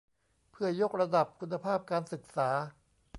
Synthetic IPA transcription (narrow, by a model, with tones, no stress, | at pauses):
pʰɯ˥˩ɐjo˦˥k̚ɾa˧da˨˩p̚kʰu˧nːa˧pʰaː˥˩p̚kaː˧nsɯ˨˩k̚saː˩˦